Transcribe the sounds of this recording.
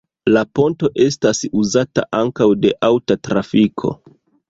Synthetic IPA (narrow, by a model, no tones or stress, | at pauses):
lapo̞nto̞ʔe̞stasuzata̰ʔaŋkawde̞ʔawtatɾafikʰo̞̰